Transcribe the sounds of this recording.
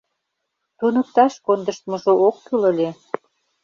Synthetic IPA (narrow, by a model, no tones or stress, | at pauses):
t̪unə̆k̚t̪ɑʃkond̪ə̆ʃt̪mŏʒookːylə̆lʲe